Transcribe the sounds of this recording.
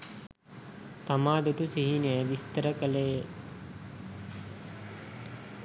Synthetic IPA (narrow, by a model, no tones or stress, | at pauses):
t̪amaːd̪uʈusiɦinəjəʋist̪əɾəkəle